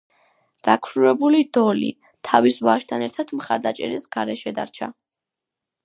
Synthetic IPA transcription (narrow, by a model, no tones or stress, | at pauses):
d̪̥akʰɾuɾɛbulid̪ɔlḭ | t̪ʰavisvaʃt̪ʰanɛɾt̪ʰat̪ʰmχaɾd̪at͡ʃʼɛɾisɡaɾɛʃɛd̪a̰ɾt͡ʃʰa̰